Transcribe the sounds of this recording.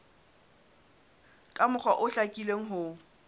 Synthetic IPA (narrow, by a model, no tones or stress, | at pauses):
kʼamʊχwaʔʊɬakʼileŋ̩ɦʊ